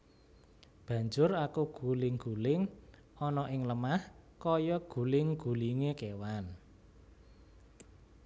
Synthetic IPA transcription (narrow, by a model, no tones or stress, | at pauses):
b̥ä̤ɲd͡ʒʊrakuɡ̥ulɪŋɡ̥ulɪŋ | ɔnɔʔɪŋləmahkɔjɔɡ̥ṳlɪŋɡ̥ṳliŋekewan